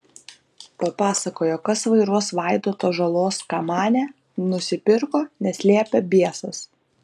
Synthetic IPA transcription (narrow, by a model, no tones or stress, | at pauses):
pɐpɑːsɐkoːjokɐsʋɐɪɾuɔsʋɑˑɪd̪oːt̪oːʒɐlˠoːskɑːmɑːnʲɛ | nʊsʲɪpʲɪɾkoːnʲɛsʲlʲiɛpʲɛbʲiɛsɐs